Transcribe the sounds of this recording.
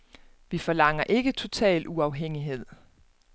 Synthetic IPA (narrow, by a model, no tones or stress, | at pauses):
ʋifɒ̽lɑ̈ŋ̰ɐʔe̝ɡ̥ət͡sʰo̝t͡sʰɛ̰ːluɑ̈ʊɦeŋ̰iɦe̝ð̞̰ˠ